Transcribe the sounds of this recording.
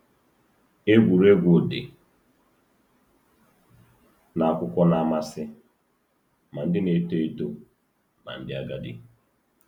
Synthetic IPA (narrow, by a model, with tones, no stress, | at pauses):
e˦ɡʷu˨ɾe˦ɡʷʊ˨dɪ̰˨ | na˨a˨kʷʊ˦kʷɔ˦na˨˦˨ma˦sɪ˦ | ma˨n̩˦dɪ˦ne˨˦te˦e˦to˨ | ma̰˨n̩˦dɪ˦a˦ɡa˦dɪ̰˦